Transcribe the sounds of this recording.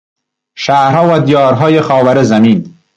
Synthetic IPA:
ʃaːɾɦɒːwad̪ijɒːɾɦɒːjexɒːwæɾezamiːn

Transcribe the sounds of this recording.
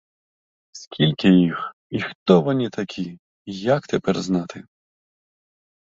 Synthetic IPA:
sʲkʲʰilʲkʲɪjix | ixt̪ɔʋɐnʲit̪ʰɐkʲʰi | jɐkt̪epɛrznɑt̪ʰɪ

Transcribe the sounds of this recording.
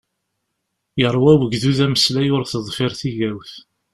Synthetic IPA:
jəɾˤːwæwəɡðuðæməslæjʊɾθəðˤfɪɾθiʝæwθ

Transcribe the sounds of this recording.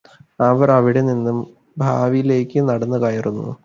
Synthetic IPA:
ɐʋɐɾɐʋiɽeninːum | bʱaːʋijile̞ːkʲːɨnɐɽɐnːuɨkɐjirunːṵ

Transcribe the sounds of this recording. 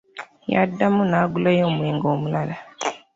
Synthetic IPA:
ja̰dːamunaːɡulajoːmweːŋɡoːmulala

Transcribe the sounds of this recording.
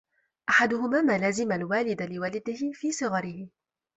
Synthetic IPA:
ʔaħad̪ʊhʊmaːmaːlazɪmalwaːlɪd̪alɪwalad̪ɪhɪfiːsˤɨɣɑɾɪhɪ

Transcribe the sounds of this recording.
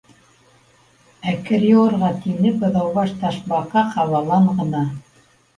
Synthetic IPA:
ækɘɾjoɤ̆ɾʁɑt̪inɘpɤ̆ðɑwβɑʃt̪ɑʃbɑqɑqɑβɑlˠɑɴʁɤ̆nɑ

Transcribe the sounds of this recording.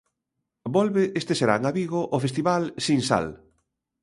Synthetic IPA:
bɔlβeʔest̪eseɾa̰ŋaβiɣoʔofest̪iβalsinsa̰l

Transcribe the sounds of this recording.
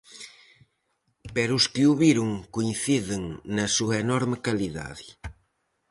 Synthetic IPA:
pɛɾuskɪuβiɾuŋkuinθiðɪŋnɐsuɐenɔɾmɪkaliða̰ði

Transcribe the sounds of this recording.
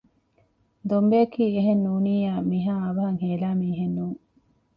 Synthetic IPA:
d̪ombeɐkiːeɦenːuːniːjaːmiɦaːɐʋɐɦɐŋɦeːlaːmiːɦenːuːŋ

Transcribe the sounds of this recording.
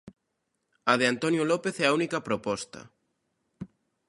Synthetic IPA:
ɐðɪant̪onjolɔpeθɛɐunikɐpɾopɔst̪ɐ̰

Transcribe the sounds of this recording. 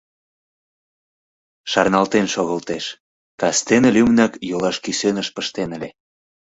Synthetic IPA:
ʃɑrnɑlt̪enʃoɣəlt̪eʃ | kɑst̪enelʲymnɑkjolɑʃkisønəʃpəʃt̪enə̆le

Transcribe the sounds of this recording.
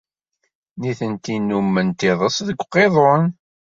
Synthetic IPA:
niθənt̪inːumːənt̪iðˤəsðəɡʷːqːeðˤon

